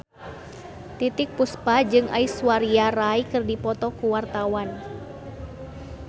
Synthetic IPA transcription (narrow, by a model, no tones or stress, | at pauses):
t̪it̪ɪk̚puspad͡ʒɨŋʔa̰iswaɾiaɾaikɨrdipɔt̪ɔkuwart̪awan